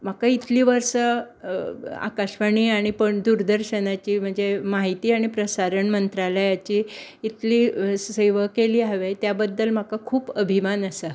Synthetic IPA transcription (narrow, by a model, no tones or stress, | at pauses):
m̤akait̪liːʋəɾɕə | a̰kaɕʋaɳ̃iːaɽ̃ipəɳd̪uɾd̪əɾɕənat͡ɕiːm̤əɳd͡zemaɦit̪iːaɽ̃ipɾəsaɾəɳmənt̪ɾaləjat͡ɕiːt̪liːseʋəkeliːaʋejt̪jabəd̪ːəlm̤akakʰuːpəbʱimanəsa